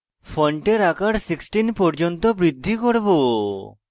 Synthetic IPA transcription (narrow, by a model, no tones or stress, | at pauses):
fʰɔɳʈeɾakaɾsiksʈinpɔɾd͡ʒont̪obɾid̪ʱːikoɾbo